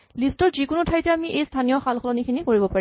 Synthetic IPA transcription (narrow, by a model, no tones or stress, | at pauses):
listɔɹzikʊnʊtʰajtɛamiʔejstʰanijɔxalxʰɔlɔnikʰinikoɹibɔpaɹi